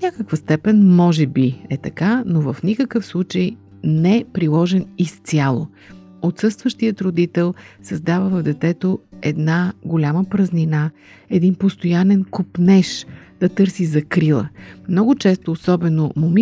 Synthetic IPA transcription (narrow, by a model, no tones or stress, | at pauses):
nʲakəkvəst̪ɛpɛnʲmɔʒɛbiɛt̪ɐkanovəfnʲikəkəfslˠut͡ʃəj | nɛpɾilˠɔʒɛnist̪sʲjalˠo | ot̪sɤst̪vəʃt̪ijət̪ɾod̪it̪ɛlˠsɐzd̪avəvəvd̪ɛt̪ɛt̪oɛd̪naɡolʲaməpɾəznina | ɛd̪inpost̪ojanɛnkopnɛʃd̪̥ɐt̪ɤɾsizɐkɾilˠə̰mnɔɡʊt͡ʃɛst̪oːsɔbɛnomʊmi